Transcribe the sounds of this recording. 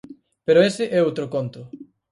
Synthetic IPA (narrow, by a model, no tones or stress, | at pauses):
peɾoesɪʔɛowt̪ɾokont̪ʊ